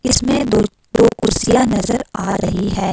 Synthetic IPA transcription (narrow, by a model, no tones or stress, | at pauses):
ɪsmẽ | d̪oːkʊɾsijanɐzəɾaːɾɐɦiɦɛː